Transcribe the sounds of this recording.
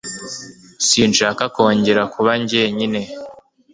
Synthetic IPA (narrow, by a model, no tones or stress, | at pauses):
siːnʃaːkako̞ːɲɟe̞ɾakʰuβaɲɟeɲine̞